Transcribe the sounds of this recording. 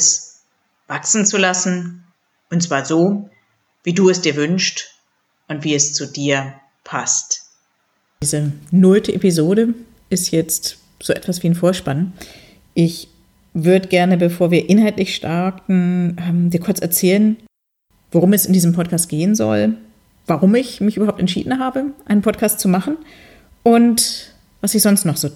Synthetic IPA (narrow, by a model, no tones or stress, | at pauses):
s | v̥aksn̩t͡sulasn̩ | ʔʊntt͡sv̥aːɐzoː | viːduːɛsd̥iːɐvʏnʃt | ʔʊntv̥iːɛst͡sudiːɐ | pʰast | iːzənʊltʰəʔepizoːɾə | ʔɪstjɛt͡st | z̥oːʔɛ̰tv̥asv̥iːnfoːɐʃpan | ʔɪç | vʏɐdəɡɛɐnəbəfoːɐviːɐʔɪnɦaltlɪçʃtʰaɐtn̩ɛmdiːɐkʰʊɐt͡sɛɐt͡sɛːlən | voʁ̞ʊmɛsɪndiːzəmpʰɔt̚kʰaːst̚ɡ̥eːənzɔ̰l | vaʁʊmɪçmɪçʔybɐɦaːp̚tɛntʃḭːdn̩ɦaːbəʔaɪnənpʰɔtkʰaːstt͡sumaχn̩ | ʔʊnt | v̥asɪçz̥ɔnstnɔχz̥oː